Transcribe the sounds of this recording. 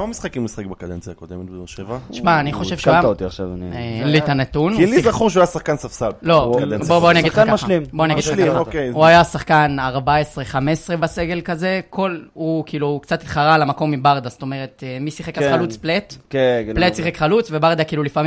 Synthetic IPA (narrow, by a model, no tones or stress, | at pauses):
kamamisχakimusχekbakad̪ent͡sjakod̪emet̪̚bd̪oʃevaʃmaːniχo̞ʃʃe̞vfeaaot̪iaχʃa̰vnlit̪anet̪unlizaχuʁʃ̬uajasaχkansafsalblo̞dnboboaniaɡid̪akamaʃlimboaniaɡid̪aaokeuajasaχkanaʁbaesʁeχamesʁebaseɡe̞lkaze̞kʰo̞lukiːlukt͡sat̪itχaʁalamako̞mːibaʁd̪ast̪o̞meʁet̪emisiχekχalut͡spletkepletsiχekχalut͡sve̞baʁd̪akiiːlulifami